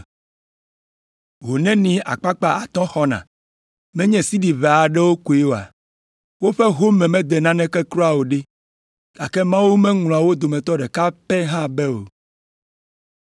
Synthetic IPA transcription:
ɦo˨nɛ̃˦nĩ˨a̰˨k͡pa˦k͡pa˦a˨t̪ɔ̃˦xɔ˦nã̰˨ | mɛ̃˦ɲɛ̃˨si˦ɖi˨βe˨a˨ɖɛ˦wo˦ko˨e˦wo˨a̰˨ | wo˦ɸɛ˦ɦo˦mɛ̃˨mɛ̃˦d̪ɛ˨nã˦nɛ̃˦kɛ˦kɾɔ˦a˨wo˨ɖɛ˦ | ɡ̥a˨kɛ˦mã˦wu˦mɛ̃˦ŋl̃ɔ̃˨a˨wo˦d̪o˨mɛ̃˨t̪ɔ˦ɖɛ˨ka˦pɛ˦ɦã˦bɛ˦wo̰˨

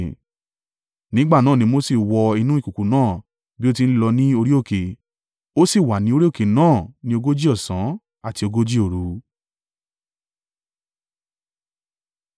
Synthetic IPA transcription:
nĩ˦ɡ͡ba˦˨nãː˦˨nĩ˧˦mo˦si˦˨wɔ˧i˧nũ˦i˦˨ku˨ku˨nãː˦˨ | bi˦o˦t̬i˧n̩˦i˦lɔ˧nĩ˦o˧ɾi˦o˦˨ke˨ | o˦si˦˨wa˨nĩ˧˦o˧ɾi˦o˦˨ke˨nãː˦˨nĩ˧˦o˧ɡo˦d͡ʒi˦ɔ˦˨sã˨˦ | a˦˨ti˧o˧ɡo˦d͡ʒi˦o˦˨ɾu˧

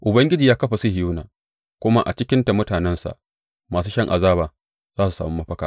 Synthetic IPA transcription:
ʔʊ˨bɐ˦ŋɡʲɪ˦d͡ʒiː˨jaː˦kɐ˦ɸa˨si˦hɪ˨juː˦naː˨ | kʷʊ˦ma˦ʔa̰˨t͡ʃɪ˦kʲɪ˦nta˨mʊ˦taː˨nɛ˦nsa̰˨ʔ | maː˨s̬uː˦ʃɐ˦ŋʔa̰˨zaː˦baː˨ | zaː˦s̬u˨saː˨mu˦mɐ˦ɸɐ˦kaː˨

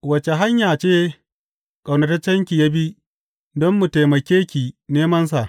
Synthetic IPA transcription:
wɐ˨t͡ʃe˨ɦa˦ɲjaː˨t͡ʃeː˦ | kʼa˨wnɐ˨˦tɐ˦t͡ʃːɐ˦ŋkʲi˨ja˦bi˦ | dɔ˦mːu˨ta˨jmɐ˨kʲeː˦kʲi˨neː˦mɐ˦ns̬a˨ʔ

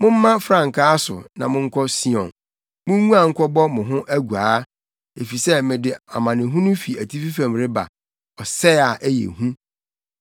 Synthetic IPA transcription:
mʊ̃˦m̩˦mã˦fɾã˦˨ŋ̩˨kʰaː˦sʊ̰˨nã˨mʊ̃˦ŋ̩˦kʰɔ˦si˦ɔ̰̃˨n | mʊ̃˦ŋũ˦a˨ŋ̩˦kʷʰɔ˦bɔ˦mʊ̃˨ɦʊ̃˦ʔæ˦ɡu˨aː˨˦ | e˨fi˨sɛ˦mɪ̃˨dɪ˨a˨mã˨nɪ̃˨ɦũ˦nʊ̃˦fi˨æ˨tʰi˦fi˦fã˨mɾɪ˦ba̰˨ | ɔ˨sɛ˦a˨ʔæ˦jḛ˨ɦũ˦

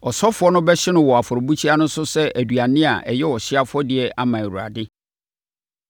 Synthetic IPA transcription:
ɔ˨sɔ˦fʊ˨˦ɔ˦nʊ̃˦bɛ˦ɕɪ˦nʊ̃˦wɔ˨a˨fɔ˨ɾɔ˨bu˦t͡ɕʰi˦a˦nʊ̃˦sʊ˦sɛ˦æ˨du˨a˨nɪ̃˦a̰˨ʔɛ̰˨jɛ˦wɔ˨ɕɪ˦a˦fʊ˦ɔ˦dɪ˨˦ɛ˦ʔa˨mã˨wu˨a̰˨dɪ˦

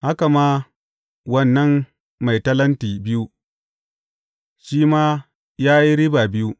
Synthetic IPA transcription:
ha˦ka˨maː˦ | wɐ˦nːɐ˦mː | a˨jtɐ˦lɐ˦ntiː˨bɪ˦ju˦ | ʃiː˦maː˦ | jaː˦ji˦ɾi˦baː˨bɪ˦ju˦

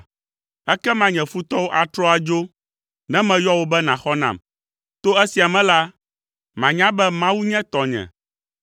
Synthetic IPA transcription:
ɛ˦kɛ˦mã˦ɲɛ̃˨fu˦t̪ɔ˦wo˦ʔa˨t̪ɾɔ˦a˨d͡ʒo˦ | nɛ̃˦mɛ̃˨jɔ˦wo˦bɛ˦nã˨xɔ˦nã̰˨m | t̪o˦ɛ˦si˨a˨mɛ̃˨˦la˦ | mã˨ɲã˦bɛ˦mã˦wu˦ɲɛ̃˦t̪ɔ˨ɲɛ̰̃˨

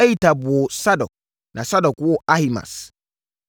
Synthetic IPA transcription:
ɛ˦ji˨tʰa˨bʊ˨ɔ˨sa˦dɔ˨k̚ | nã˨sa˦dɔ˨kwɔ˦a˦hi˨mã̰˨s

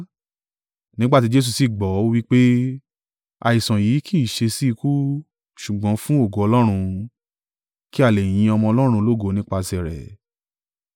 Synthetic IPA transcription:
nĩ˦ɡ͡ba˦ti˨˦d͡ʒe˦s̬u˧si˨ɡ͡bɔ˨˦o˦wi˦k͡pe˦ | a̰˧i˨sã˨jiː˨˦kʰi˦˨ʃe˧si˦i˧ku˦ | ʃu˨ɡ͡bɔ̃˨˦fũ˦o˦˨ɡo˨˦ɔ˧lɔ˦ɾ̃ũ˧ | ki˦a˦˨le˨j̃ĩ˧ɔ˧mɔ̃˧ɔ˧lɔ˦ɾ̃ũ˧lo˦ɡo˨˦nĩ˦k͡pa˧sɛ˨ɾɛ̰˨

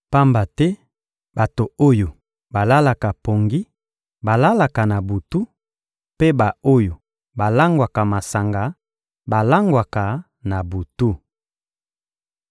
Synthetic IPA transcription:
pa˦mba˨tɛ˦ | ba˨to˨o˦jo˨ | ba˨la˦la˨ka˨po˨ŋɡi˦ | ba˨la˦la˨ka˨na˨bu˨tu˦ | pe˦ba˨o˦jo˨ | ba˨la˦ŋɡwa˨ka˨ma˨sa˨ŋɡa˨ | ba˨la˦ŋɡwa˨ka˨ | na˨bu˨tu˦

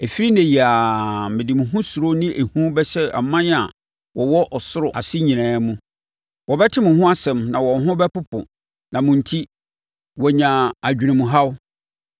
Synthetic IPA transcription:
e˨fi˦ɾi˦nɛ̃˨ji˨a˨mɪ̃˨dɪ˨mʊ̃˨ɦʊ̃˦su˨ɾo˦nĩ˦ʔe˨hũ˦bɛ˦ɕɛ˦a̰˨mːã˦n˦a˨ | wɔ˨wɔ˦ʔɔ˨sʊ˦ɾʊ˨a̰˨sɪ˦ɲĩ˨nɛ̃ː˨˦mũ˦ | wɔ˨bɛ˦tʰɪ˦mʊ̃˨ɦʊ̃˦a˦sɛ̃˨mnã˨wɔ˨˦ɦʊ̃˦bɛ˦pʊ˦pʰʊ̰̃˨ | nã˨mʊ̃˨n̩˨tʰi˦ | wɔ˨ɲã˨a˨d͡ʑᶣi˨nɪ̃˨mʊ̃˨ɦa˦w

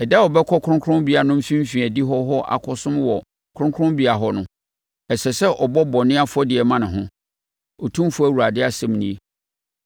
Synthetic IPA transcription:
ɛ˨dɛ˦ɔ˨bɛ˦kʰɔ˦kʰʊ˦ʊ̃˦kʰʊ˦ɾʊ̃˦bi˨a˨nʊ̃˦m̩˦fĩ˦m̩˦fĩ˨æ˨di˦ɦɔ˦ɦɔ˦ʔa̰˨kʰɔ˨sʊ̃˦mwɔ˨ | kʰʊ̃˦kʰɾʊ̃˦mbi˨˦a˨ɦɔ˦nʊ̃˦ | ɛ˨sɛ˨sɛ˦ʔɔ˨bɔ˦bɔ˨nɪ̃˦a˦fʊ˦ɔ˦dɪ˨ɛ˨mã˦nʊ̃˨ɦʊ̃˦ | ɔ˨tʰũ˦m˦fʊ˦æ˦˨wu˨ɾa˨dɪ˦a˨sɛ̃˦m˦nĩ˦e˨

